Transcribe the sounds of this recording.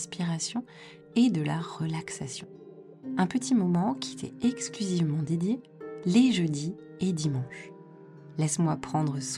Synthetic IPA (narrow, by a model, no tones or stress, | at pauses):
spiʁasjɔ̃ | ed̪əlaʁəlaksasjɔ̃ | ɛ̃pət̪ʰimɔmɑ̃kʲʰiet̪ʰɛ̰ɛksklyzivmɑ̃d̪ed̪je | leʒəd̪i | ed̪imɑ̃ʃ | lɛsmwapχɑ̃d̪ʁəs